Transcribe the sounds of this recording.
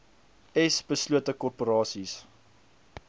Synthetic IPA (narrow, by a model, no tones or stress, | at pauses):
ɛsbəsluətəkɔrpoɾɑːsis